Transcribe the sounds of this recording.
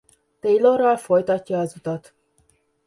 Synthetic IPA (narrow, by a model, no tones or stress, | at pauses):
t̪ejloɾɒlfo̞jt̪ɒcːɒːzut̪ɒt̪